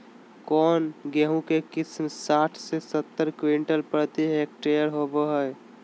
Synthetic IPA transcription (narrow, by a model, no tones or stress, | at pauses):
kɔːnɡeɦũkekɪsmsaːʈʰsesət̪ːəɾkʋiɳʈəlpɾət̪iɦek̚ʈejəɾɦoboɦəj